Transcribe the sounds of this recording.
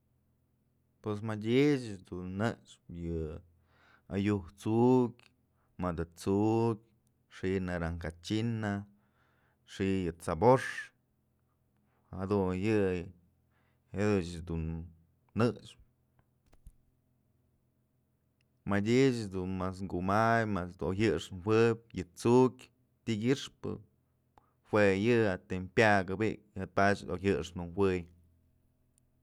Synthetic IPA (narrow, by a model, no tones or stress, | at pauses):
pwes̬madʲet͡ʃd̪unːɨʂpjɨ | a̰juht͡sukʲ | mad̪ɨt͡sukʲ | ʂinaɾaŋkat͡ʃina | ʂijɨt͡saboʂ | had̪ujɨ | ed̪ɨt͡ʃd̪unː | ɨʂ | madʲit͡ʃd̪unmas̬ŋɡumajmasd̪oɦɨʂnwʷɨb̚ʲjɨt͡sukʲ | t̪ʲiɡʲiʂpɨ̰ | hwʷejɨat̪empʲjaɡɨbiʔk̚ɨt̪̚pat͡ʃojɨʂnd̪unwɨj